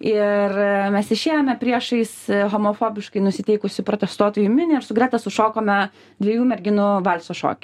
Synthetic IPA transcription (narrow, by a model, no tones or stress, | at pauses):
ɪɾmʲɛsɪʃʲeːjoːmʲɛpʲɾʲiɛʃɐɪsɦoːmofoːbʲɪʃkɐɪnʊsʲɪt̪ʲɛɪkʊsʲɪpɾot̪ʲɛst̪uɔt̪oːjuːmʲɪnʲɪɪɾsʊɡɾʲæːt̪ɐsʊʃoːkoːmʲɛ | d̪ʲʋʲɛjuːmʲɛɾʲɡʲɪnʊʋɐlʲsoːʃo̰ːkʲɪ